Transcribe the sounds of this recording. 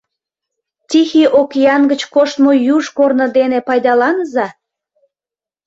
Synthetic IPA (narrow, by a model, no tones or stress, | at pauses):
t̪ʲixiʔokjɑnɡət͡ɕkoʃt̪mojuʒkornə̆d̪enepɑjd̪ɑlɑnəzɑ